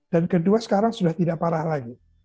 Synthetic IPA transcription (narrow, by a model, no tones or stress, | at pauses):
d̥ankəduasə̥kaɾaŋsudaht̪idaʔpaɾahlaɡi